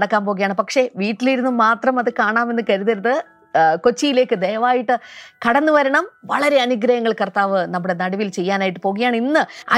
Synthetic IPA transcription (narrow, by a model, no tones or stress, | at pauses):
ɽɐkːaːmpo̞ːɣɐjaːɳɨpɐkʂe̞ʋiːʈːiliɾunːumaːt̪rɐmɐðɨkaːɳaːme̞nːɨkɐɾuðɐɾɐðɨ | ko̞t͡ɕːijile̞ːkːɨd̪e̞ːʋaːjiʈːɨkɐɽɐnːɨʋɐɾɐɳɐmʋɐɭɐɾe̞ɐnuɡɾɐjɐŋːɐɭkɐrt̪aːʋɨnɐmːuɽe̞nɐɽiʋilt͡ɕe̞jːaːnaːjiʈ̬ːɨpo̞ːɣɐjaːɳinːɨɐ̰